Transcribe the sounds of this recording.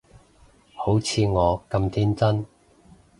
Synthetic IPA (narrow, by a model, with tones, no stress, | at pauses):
ho˨˥wt͡sʰiː˨˧ŋɔː˨˧kɐ˧mt̪ʰiː˥nt͡sɐ˥n